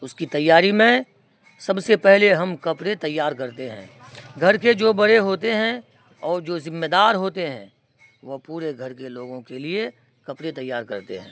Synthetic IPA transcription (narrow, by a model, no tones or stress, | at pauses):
ʊskit̪ɐjːaːɾimẽ | sɐbsepɛɦleɦɐmkɐpɽet̪ɐjːaːɾkɐɾt̪eɦɛ̰̃ː | ɡʱɐɾked͡ʒoːbɐɽeɦoːt̪eɦɛ̃ | ɔːɾd͡ʒoːzɪ̃mːed̪aːɾɦoːt̪eɦɛ̃ː | ʋopuːɾeɡʱɐɾkeloːɡõkelie | kɐpɽet̪ɐjːaːɾkɐ̰ɾt̪ḛɦɛ̃ː